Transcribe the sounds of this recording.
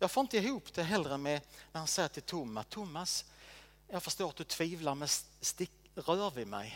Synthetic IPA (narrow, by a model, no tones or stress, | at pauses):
jɑːɡfoːɪnt̪əɪɦuːpd̪ɛɦɛlɾəmɛnæɾhansɛjːəʈʰɪlt̪ʰʊmːast̪ʰʊmːas | jɑːɡfœʂt̪oːɾat̪̚d̪ɵt̪ʰviːvlaɾmɛsst̪ɪk | ɾœːvɪmɛ̰j